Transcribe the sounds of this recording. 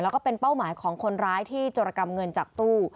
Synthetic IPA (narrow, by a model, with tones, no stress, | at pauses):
lɛː˦˥wkɔː˥˩pe˧npa˥˩wmaː˩˦jkʰɔː˩˦ŋkʰo˧nɾaː˦˥jt̪ʰiː˥˩t͡ɕoː˧ɾa˧ka˧mŋɤ˧nt͡ɕaː˨˩k̚t̪uː˥˩